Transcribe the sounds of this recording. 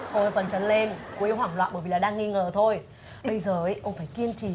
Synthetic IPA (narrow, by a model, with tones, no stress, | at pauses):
ʔo˧˩fə˨˩nt͡ɕə˨˦nle˧nku˨˦ji˧whwaː˧˩ŋlwa̰ː˧˨ɓəː˧˩˨vi˨˩laː˨˩ɗaː˧ŋːi˧ŋəː˨˩t̪ʰo˧j | ɓə˧jzəː˨˩ʔə˨˦ʔə˧wŋ͡mfaː˧˩jki˧ənt͡ɕi˧˩